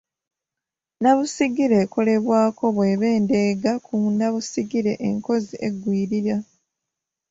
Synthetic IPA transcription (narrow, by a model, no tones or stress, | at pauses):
naβusiɡiɾeːko̞le̞βwaːko̞βwe̞ːβe̞ːnde̞ːɡakunaβusiɡiɾe̞ʔḛŋko̞ziʔe̞ɡːwiːɾiɾa